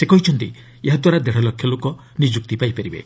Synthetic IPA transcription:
sekɔɦit͡ʃʰɔnt̪i | eɦad̪waɾad̪eɽ̤ɔlɔkʰːjɔlokɔ | nid͡ʒuk̚t̪ipajpeɾibḛ

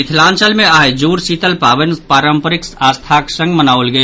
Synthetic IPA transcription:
ɪt̪ʰlãːnt͡ʃəlmẽaːed͡ʒuːɾsiːt̪əlpaːʋənpaːɾəmpəɾɪksaːst̪ʰaːksə̃ŋɡmənaːʋʊlɡəe

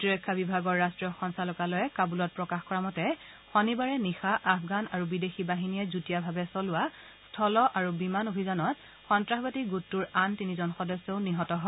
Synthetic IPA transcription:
tiɹɔjkʰːabibʱaɡɔɹːastɹijɔxɔnsalɔkalɔjɛkabulɔt̚pɹɔkaxkɔɹamɔtɛ | xɔnibaɹɛnixaʔafʰɡanaɹubidexibaɦinijɛzutijabʱabɛsɔlʊwa | stʰɔlɔʔaɹubimanobʱizanɔt̚ | xɔntɹaxbatiɡutːuɹantinizɔnxɔdɔsːɔʊniɦɔtɔɦɔ

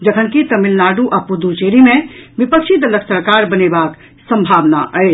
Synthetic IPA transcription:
d͡ʒəkʰənkit̪əmilnaɖuʔapud̪ut͡ʃeɾimẽʋipəkʃʰid̪ələksəɾkaɾbənebak | sə̃mbʱaʋna̰ʔəe

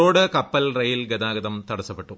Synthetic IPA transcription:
oːɽɨkɐpːɐlrɐjilɡɐd̪aːɡɐd̪ɐmt̪ɐɽɐsːɐpːeʈːu

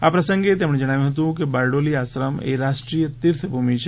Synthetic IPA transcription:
apɾɐsə̃ŋɡet̪emɳed͡ʒɐɽ̃aːjũɦɐt̪̬ũkebaɾɖoliaːsɾəmḛɾaʃʈɾijət̪iɾt̪ʰbʱumit͡ʃʰe

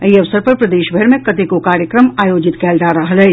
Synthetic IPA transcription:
iɐʋsəɾpɐɾpɾɐd̪eːʃbʱɐɾmẽkɐt̪ekokaːɾjəkɾəmaːjoːd͡ʒɪt̪kɛːlɾaɾɐɦəlɦɛː

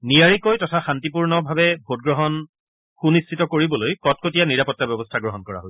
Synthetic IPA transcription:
nijaɹikojtɔtʰaxantipuɹnɔbʱabɛbʱot̚ɡɹɔɦɔn | xunistʰitɔkoɹibɔlojkɔt̚kotijaniɹapɔtːabjɔbɔstʰaɡɹɔɦɔnkɔɹa̰ɦoj

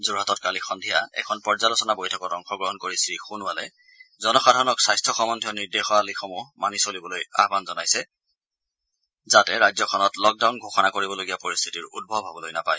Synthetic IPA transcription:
zuɹɦatɔtkalixɔndʱijaɛ̰kʰɔnpɔɹzalosɔnabojtʰɔkɔtɔŋxɔɡɹɔɦɔnkoɹisɹixunwalɛ̰ | zɔnɔxadʱaɹɔnɔksajstʰɔxɔmɔndʱijɔniɹdexɔalixʰɔmumanisolibɔloja̰ɦbanzɔnajsɛ | zatɛɹajzɔkʰɔnɔtlɔk̚dawnɡʱoxɔnakoɹibɔloɡijapoɹist̪ʰi̥tiɹṵd̚bʱɔbʱabɔlojnapaj

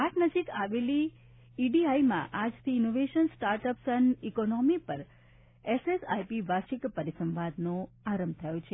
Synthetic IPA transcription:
aʈnəd͡ʒikaʋeli | iɖiaimã̰ʔad͡ʒt̪ʰiːnoʋeʃənsʈaɾʈəpsənikonɔmipəɾ | esesajpiʋaʃikpəɾisəmʋad̪no | aɾəmbt̪ʰəjot͡ʃʰe

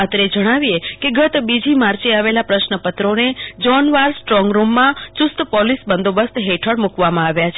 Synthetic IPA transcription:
ət̪ɾed͡ʒəɽ̃aʋiekeɡət̪bid͡ʒimaɾt͡ʃeaʋelapɾəʃnəpət̪ɾoned͡ʒɔnʋaɾsʈɾɔ̃ŋɡɾumːãt͡ʃʊst̪pɔlisbənd̪obəst̪ɦeʈʰəɽmukʋamãaʋjat͡ʃʰ

